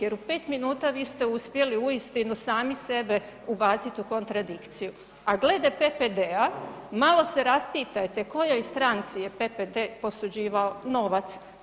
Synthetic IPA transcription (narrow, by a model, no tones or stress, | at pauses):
jeɾupe̞ːt̪minuːt̪aʋiːst̪e̞uspje̞liujist̪inusaːmise̞be̞ | ubaːt̪sit̪uko̞nt̪ɾad̪ikt̪siju | aɡle̞d̪epeped̪eamalo̞seɾaspiːt̪ajt̪e̞ko̞jojst̪ɾant̪sijepeped̪epo̞sud͡ʑiːʋaono̞ʋat̪s